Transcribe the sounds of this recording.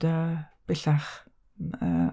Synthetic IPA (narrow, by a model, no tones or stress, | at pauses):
əb̥ɛɬaχ | ə̰